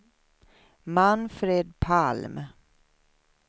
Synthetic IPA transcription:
manfɾeːd̪̚pʰalm

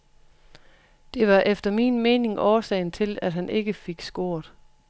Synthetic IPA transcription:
d̥e̝ʋɑ̈ʔefd̥ɐmiːnmeːne̝ŋʔɒːsɛ̰ɪ̰n̩t͡sʰe̝læd̥ɦænʔe̝ɡ̥əfe̝ɡ̥sɡ̥o̝ɐ̰d̥ˠ

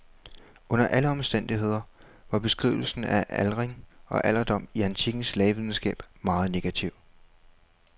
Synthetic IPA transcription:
ɔ̽n̰ɐʔæləɒ̽msd̥en̰d̥iɦe̝ð̞̰ˠɐ | ʋɑ̈b̥e̝sɡ̥ʁḭʊl̩sn̩æʔælʁeŋɒ̽ʔæl̰ɐd̥ɒ̽m̰iænt͡sʰiɡ̥n̩slɛːɪʋið̞ˠn̩sɡ̥ɛ̰ːb̥mɑ̈ːð̞̩ˠne̝ɡ̥æt͡sʰiʊ̰

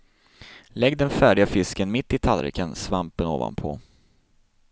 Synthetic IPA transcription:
lɛɡd̪ɛnfæːɖɪɡafɪskənmɪt̪ːɪt̪ʰalɾɛ̰kʰənsvampəno̰ːva̰npʰɔ̰

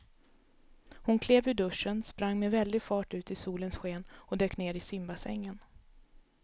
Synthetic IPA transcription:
hʊnkʰleːvʏɖɵʂːənspɾaŋːmɛvɛld̪ɪɡfɑːʈʉ̟ːt̪ɪsuːlənsɧeːnɔd̪øːkneːɾɪsɪmbasɛ̰ŋːən

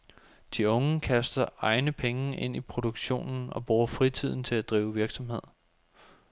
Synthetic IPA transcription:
d̥iɔ̽ŋəkʰæsd̥ɐɑ̈ɪnəpʰeŋəʔe̝n̰ipʰʁo̝d̥o̝ɡ̥ɕo̝̰ːnn̩ɒ̽b̥ʁuːɐfʁit͡sʰið̰ˠn̩t͡sʰe̝læd̥ʁiːʊʋiɐɡ̥sɒ̽mɦe̝ð̰ˠ

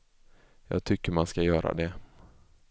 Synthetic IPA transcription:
jɑ̰ːɡ̚t̪ʰʏkːəɾmanskajœːɾʔa̰d̪ɛ

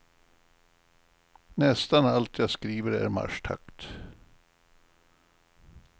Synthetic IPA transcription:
nɛst̪analt̪ʰjɑːskɾiːvəɾæ̰ɾma̰ʂʈ̪ʰa̰kt̪

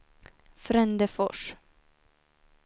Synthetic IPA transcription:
fɾɛnd̪əfɔʂ

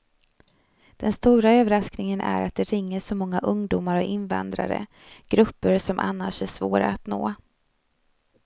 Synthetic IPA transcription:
d̪̥ɛnst̪uːɾaøːvəɾasknɪŋənʔæɾa̰t̪̚d̪ɛɾɪŋːəʂɔmɔŋːaʔɵŋd̪ʊːmaɾɔɪnva̰nd̪ɾaɾə̰ | ɡ̥ɾɵpːəɾʂɔmʔa̰nːaʂæʂvoːɾa̰ːt̪noː

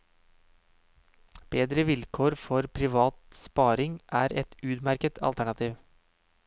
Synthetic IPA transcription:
b̥eːd̪ɾəʋɪlkʰoːɾfɔɾpʰɾɪʋɑːt̪spɑːɾɪŋʔæːɾɛt̪ʉːd̪mæɾkət̪ʰɑ̰lt̪æɳɑt̪ʰiːʋ

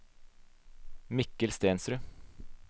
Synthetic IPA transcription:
mɪkəlst̪eːnsɾʉ

